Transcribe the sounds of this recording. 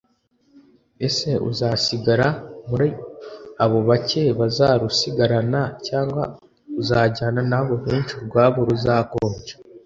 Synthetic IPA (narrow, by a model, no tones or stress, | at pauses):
e̞se̞ʔṵzasiɡaɾamuɾi | aβo̞βace̞βazaɾusiɡaɾanacaːŋɡwa̰ | uzaːɟaːnanaβo̞βeːnt͡ʃiɾɡwaːβoɾuzaːkoːnd͡ʒe̥